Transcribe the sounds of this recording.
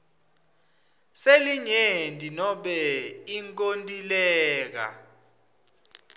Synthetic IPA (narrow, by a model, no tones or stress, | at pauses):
seliɲendʼʱinɔɓɛiŋkʼontʼilɛːk̬a̰